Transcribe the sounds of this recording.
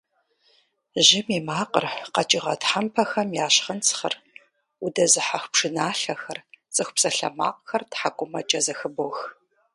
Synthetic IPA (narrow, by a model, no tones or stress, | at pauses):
ʑɪmiːmaːqʼə̰rqɐt͡ʃʼɪʁɐtħampʰɐxɐmjaːɕχənt͡sʰχɐ̰r | ʊdɐzɨħaxʷpʂɨnaːɬɐxɐrt͡sʼɨxʷpsɐɬɐ̰ma̰ːq̚xɐrtħakʷʼʊmɐt͡ʃʼɐzɐxɨboːx